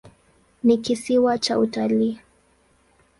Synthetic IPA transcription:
nikisiwat͡ʃaʔutali

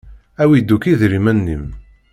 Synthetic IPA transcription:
æwid̪ːukiðɾimænːḭm

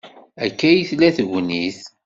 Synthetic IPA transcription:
ækːæjiθlæθəɣʷniθ

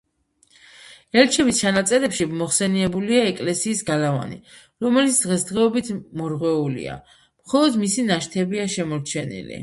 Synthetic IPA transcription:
ɛɾt͡ʃʰɛbist͡ʃʰanat̪sʼɛɾɛpʃimɔχsɛniɛbuliaɛkʼlɛsiːsɡalava̰nḭ | ɾɔmɛlit̪sʰd̪ʁɛsd̪ʁɛɔbit̪ʰmɔɾʁwɛulḭa̰ | mχɔlˠɔd̪misinaʃt̪ʰɛbiaʃɛmɔɾt͡ʃʰɛnḭlḭ

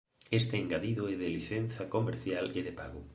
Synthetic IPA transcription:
est̪eːŋɡaðiðoeðeliθenθɐkomeɾθjaleðepaɣʊ

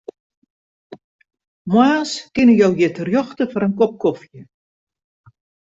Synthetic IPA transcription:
mwaːskɪnəjɔwjɪtərjɔxtəfɔɾənkɔp̚kɔfjə

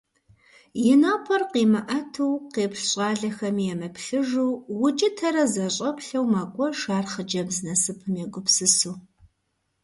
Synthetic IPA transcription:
jɪnaːpʰɐrqiːmɐʔɐtʰuwqeːpɬɕʼɑːɮɐxɐmijɛmɐpʰɬɨʒuːwʊt͡ʃʼɪtʰɐɾɐzɐɕʼɐpɬɐwmaːkʷʼɔʃaːrχəd͡ʒɐbznɐsɨpʰɨmjɛɡʷʊpsɨsuː

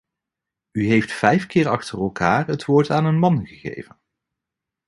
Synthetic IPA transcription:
yɦejftfɛjfkɪːɹɑχtərɛlˠkʰaːrətʋʊːɹtaːnənmɑnχəχḛjvən

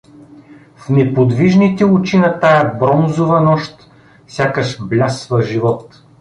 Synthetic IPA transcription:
fnɛpod̪viʒnit̪ɛʊt͡ʃinɐt̪ajɛbɾɔnzovɐnɔʃt̪ | fsʲakəʃblʲasvəʒivɔt̪

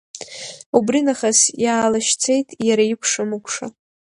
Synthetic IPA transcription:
ubrinaχasjaːlaʃt͡sʰe̞jtʼjaɾaikʷʰʂamɨkʷʰʼʂa̰

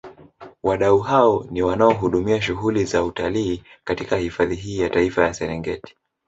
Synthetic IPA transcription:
waɗauɦaɔniwanaɔɦuɗumiaʃ̬uɦulizautaliː | katikahifaðiɦiːjataifajasɛɾɛŋɡɛ̰ti̥

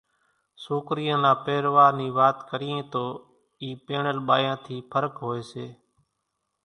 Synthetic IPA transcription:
soːkɾijãːnãːpeːɾʋaːɾniːʋaːt̪kəɾiẽːt̪oː | iːpeːɳəlɓaːjãːt̪ʰiːpʰəɾəkɦoːeːseː

